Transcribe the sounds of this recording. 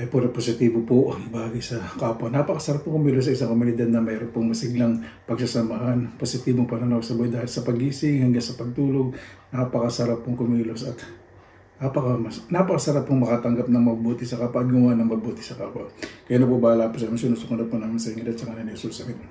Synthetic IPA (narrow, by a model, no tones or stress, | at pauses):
ʔɐjpoɾɐposɪt̪iːbopoʔŋbaːɡɪsɐkaːpɐnapɐkɐsɐɾap̚ːʊŋkomiːlos̬ɐʔɪsaŋkomʊnɪd̪ad̪nɐmɛːɾonpoŋmɐsɪɡlaŋ | pɐɡsɐsɐmɐɦanposɪt̪iːboŋpɐnɐnɐwsɐbojd̪aːhɪlsɐpɐɡiːsɪŋhɐŋɡaŋsɐpɐɡ̚t̪uːloɡ̚napɐkɐsɐɾapːʊŋkomiːlosɐt̪ | napɐkɐmɐsnɐpɐkɐsɐɾapːʊŋmɐkat̪ɐŋɡap̚nɐŋmɐɡ̚buːt̪ɪsɐkaːpaʔɐd̪̚ɡʊmanɐŋmɐɡ̚buːt̪ɪsɐkaːpwɐkɐjanopobaːlaːpʊsɐmɪsunosʊkʊnd̪ɐpʊnaːmɪnsɐɪŋɪd̪ɐd̪̚t͡ʃɐŋanɐnɛsolsɐmɪn